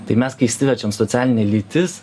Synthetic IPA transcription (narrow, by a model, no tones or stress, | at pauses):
t̪ɐɪmʲɛskɐɪsʲɪʋʲɛt͡ʃʲomsɔt̪sʲæːlʲɪnʲɛlʲiːt̪ʲɪs